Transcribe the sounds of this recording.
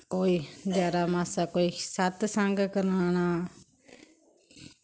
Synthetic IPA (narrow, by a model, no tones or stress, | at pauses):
koːiːd̪jaːɾaːmãːsakoːisat̪sãŋɡkəɾaːñaː